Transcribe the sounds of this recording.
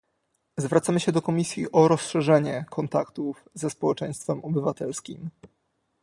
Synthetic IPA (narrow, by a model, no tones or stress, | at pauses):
zvɾat̪samɘɕɛd̪ɔkɔmʲisʲjiʔɔɾɔsʂɛʐɛɲɛkʰɔnt̪akt̪uv | zɛspɔwɛt͡ʂɛ̃j̃st̪fɛmɔbɘvat̪ɛlskʲim